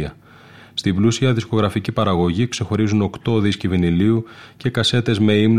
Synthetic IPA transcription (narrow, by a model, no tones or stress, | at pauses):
ɐ | st̪iblusiɐðisko̞ɣɾɐficipɐɾɐɣo̞ʝikse̞xo̞ɾizuno̞kt̪o̞ðisciviniliuce̞kɐse̞t̪e̞zme̞imn